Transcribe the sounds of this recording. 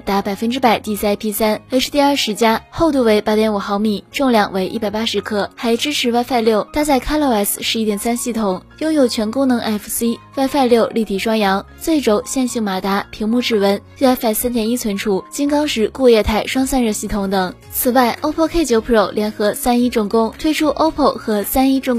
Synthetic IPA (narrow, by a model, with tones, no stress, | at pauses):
t̪a˧˥pa˨˩ɪfə˥nʈ͡ʂɻ̩˥pa˨˩ɪt̪i˥˩s̩˥a˥ɪpʰi˥sa˥nə˥ʂ̩˥˧t̪i˥˧a˞˥˩ʂɻ̩˧˥t͡ɕja˥xo˥˧ʊt̪u˥˩we˧˥ɪpa˧˥t̪jɛ˧˥nu˨˩xɑ˧˥ʊmi˨˩˦ʈ͡ʂʊ˥˧ŋljɑ˥˩ŋwe˧˥ɪʔi˥pa˨˩ɪpa˥ʂɻ̩˧˥kʰɤ˥˩xa˧˥ɪʈ͡ʂɻ̩˥ʈ͡ʂʰɻ̩˧˥wa˥˧ɪfa˥˧ɪljo˥˩ʊt̪ʰa˥˧t͡sa˥˩ɪkʰa˥lo˥˩ɛ˥˩s̩˨ʂɻ̩˧˥i˥˩t̪jɛ˨˩nsa˥nɕi˥˩t̪ʰʊ˨˩˦ŋjʊ˥ŋjo˨˩ʊt͡ɕʰɥɛ˧˥nkʊ˥ŋnɤ˧˥ŋʔɛ˥˩fsi˥wa˥˧ɪfa˥˧ɪljo˥˧ʊli˥˩t̪ʰi˨˩ʂwɑ˥ŋjɑ˧˥ŋ | t͡swe˥˩ɪʈ͡ʂo˨˧˥ʊɕjɛ˥˧nɕi˥˩ŋma˨˩t̪a˧˥pʰi˧˥ŋmu˥˧ʈ͡ʂɻ̩˥˩wə˧˥n˥˧a˥ɪfa˥˩ɪsa˥nt̪jɛ˨˩ni˥t͡sʰwə˧˥nʈ͡ʂʰu˥˩t͡ɕi˥nkɑ˥ŋʂɻ̩˧˥ku˥˧jɛ˥˧t̪ʰa˥˩ɪʂwɑ˥ŋsa˥nɻə˥˧nɕi˥˩t̪ʰʊ˧˥ŋt̪ɤ˨˩˦ŋ | t͡sʰɹ̩˨˩wa˥˩ɪʔo˥ʊpʰkʰe˥ɪt͡ɕjo˧˥ʊpʰo˥˩ʊlʔjɛ˧˥nxɤ˧˥sa˥ni˥ʈ͡ʂʊ˥˩ŋkʊ˥ŋt̪ʰwe˥ɪʈ͡ʂʰu˥ʔo˥ʊpʰə˥˩xɤ˧˥sa˥ni˥ʈ͡ʂʊ˥˧˩ŋ